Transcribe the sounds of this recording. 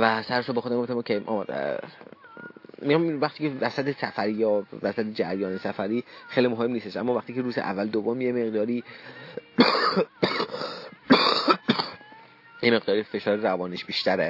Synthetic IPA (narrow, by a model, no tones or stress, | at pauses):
væsæɾeʃobexod̪æmmet̪ʰemkʰemʔɒ̰ːmæd̪̰ | miɑmvæxt̪iːcʰevæsæt̪ʰesæfæɾiːjɒːvæsæt̪ʰed͡ʒæɾjɒːnesæfæɾiːxejlimoɦemːniːst̪eʃʔæ̰mːɒːvæχt̪ʰiːcʰeɾuːzeʔæ̰vːæld̪ovːomjeme̞ɣd̪ɒːɾiː | jeme̞ɣd̪ɒːɾife̞ʃɒːɾeɾævɒːniʃbiːʃt̪æɾe